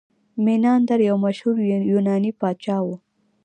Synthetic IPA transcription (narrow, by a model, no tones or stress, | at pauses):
minɑnd̪aɾjawmaʃhuɾjunɑnipɑt̪t͡ʃɑwu